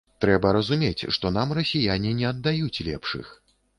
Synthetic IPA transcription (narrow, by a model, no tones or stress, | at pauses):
t̪ɾɛbɐɾɐzumʲet͡sʲʂt̪ɔnamrɐsʲijanʲinʲɛɐd̪ːajut͡sʲlʲɛpʂɨ̰x